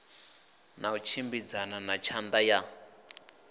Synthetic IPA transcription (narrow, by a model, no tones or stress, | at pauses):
naut͡ʃʰimbid͡zananat͡ʃʰand̪aja